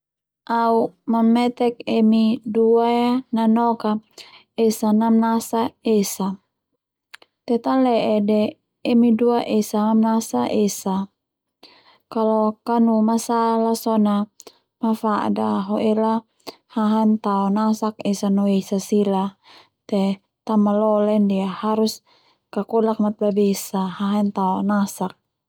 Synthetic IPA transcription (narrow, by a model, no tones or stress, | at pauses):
ʔaumamɛt̪ɛkemiduaananɔka | esanamnasaesa | t̪ɛt̪alɛʔɛdɛː | miduaʔesamamnasaʔesa | kalɔkanumasalasɔna | mafaʔdaɦɔʔɛla | haɦant̪aɔnasakesanɔesasila | t̪ɛ | t̪amalɔlɛndiahaɾus | kakɔlak̚mat̪̚babɛsahaɦant̪aɔnasak̚